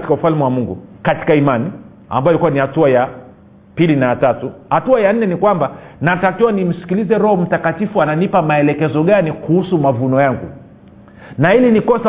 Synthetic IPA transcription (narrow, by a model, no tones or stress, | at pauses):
ti̥kaufalmɛwamuŋɡṵkati̥kaimani | a̰mbajɔlikuwanihatuaja | pilinajatatuhatuajan̩nɛnikwambanatakiwanim̩si̥kilizɛɾɔhɔm̩takatifuananipamaɛlɛkɛzɔɠanikuhusumavunɔjaŋɡṵ | nailinikɔsa